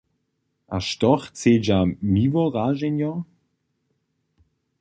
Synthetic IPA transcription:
ʔa̰ʃtɔxt͡seːd͡ʒamiːvɔʁaːʒɛnjɔ

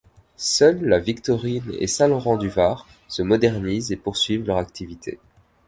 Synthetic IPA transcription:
sœlːavikt̪ɔʁinḛsɛ̃lɔʁɑ̃d̪yvaʁ | səmɔd̪ɛʁnizepuʁsɥivlœʁakt̪ʰivit̪ʰḛ

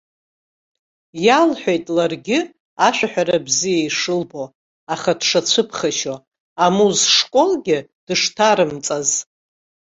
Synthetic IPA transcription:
jalħʷᶣejtʼlarɡʲɪ | aʃʷᶣaħʷᶣaɾabzijaiʂɨlbo̞ | aχad̥ʂat͡ɕʷʰɨpʰχaʃo | amuzʂkʷʼo̞lɡʲɪd̥ɨʂtʰaɾɨmt͡sʼaz

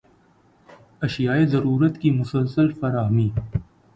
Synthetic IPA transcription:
ɐʃijaːezɐɾuːɾət̪kimʊsəlsəlfɐɾaːɦmiː

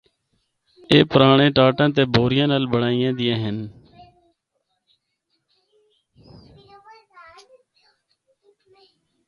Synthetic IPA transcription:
eːpəɾaːɳẽːʈaːʈãːt̪̬eːbʱoːɾɪjãːnəlbəɽaːɪjãːd̪ɪjãːɦən

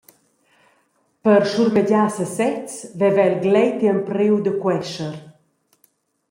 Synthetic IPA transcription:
pəɾʃuɾməɟasəsɛt͡svɛvɛlɡlɛjt̪iəmpɾewd̪əkwɛʃəɾ

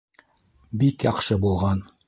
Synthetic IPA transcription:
bikjɑqʃɤbulˠʁɑn

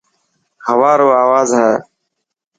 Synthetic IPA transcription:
həʋaːɾoːaːʋaːzɦɛː

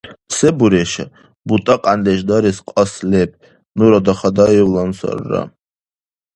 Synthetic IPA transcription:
sɛbuɾɛʃa̰ | but̪ʼaqʼand̪ɛʃd̪aɾisqʼaslɛp̚ʰ | nuɾɔd̪aχad̪ajɛwlansa̰ɾːa̰

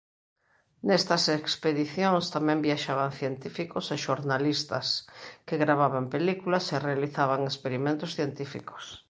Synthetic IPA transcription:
nest̪ɐsekspeðiθjoŋst̪amɛ̃mbjaʃaβ̞aŋθjent̪ifikoseʃoɾnalist̪askeɣɾaβaβampelikulaserealiθaβ̞aŋespeɾimẽnt̪osθjent̪ifḭko̥s

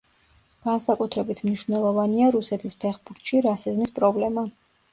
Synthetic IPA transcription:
ɡ̥ansakʼut̪ʰɾɛbit̪ʰmniʃvnɛlˠɔvaniaɾusɛt̪ʰispʰɛχbuɾt̪ʰʃiɾasizmispʼɾɔblɛma

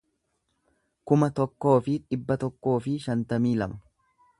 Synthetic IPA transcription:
kʊmɐt̪ɔkːo̞ːfɪᶑɪbːɐt̪ɔkːo̞ːfɪʃɐnt̪ɐmiːlɐmɐ

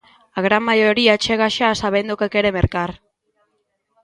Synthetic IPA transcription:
aɣɾamːajoɾiat͡ʃeɣaʃasaβend̪okekeɾe̞meɾkar

